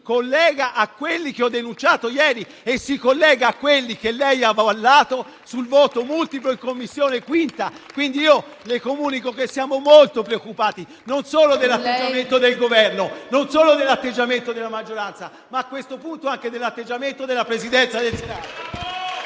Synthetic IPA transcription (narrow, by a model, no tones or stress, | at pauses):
kolːɛːɡaʔakːwelːikeɔd̪ːenunt͡ʃaːt̪ojɛːɾi | esːikolːɛːɡaːkːwelːikelːɛjavalːaːt̪o | sulvoːt̪omult̪ip̬loiŋkomːisːjoːnekwint̪a | kwind̪iiːo | lekomuːnikokesːjaːmomolt̪opɾeokːupaːt̪i | nonsoːlod̪elːat̪ːed͡ʒːament̪od̪elɡovɛrnononsoːlod̪elːat̪ːed͡ʒːament̪od̪elːamad͡ʒːoɾant̪sa | maːkːwest̪opunt̪oaŋk̟ed̪elːat̪ːed͡ʒːament̪od̪elːapɾezid̪ɛnt̪sad̪elsenaːt̪o